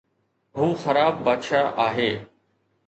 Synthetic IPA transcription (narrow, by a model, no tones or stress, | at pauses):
ɦũːxəɾaːbːaːd̪ʃaːʔaːɦeː